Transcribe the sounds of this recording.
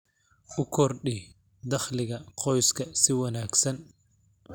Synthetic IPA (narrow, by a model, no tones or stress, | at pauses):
ʔʊkʰɔrɗi | d̪ɐχlɪɣɐqʰɔjskʰɐsɪwɐnaːɡsɐn